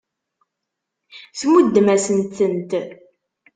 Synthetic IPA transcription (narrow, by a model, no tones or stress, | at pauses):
θmud̪ːmæsənt̪ənt̪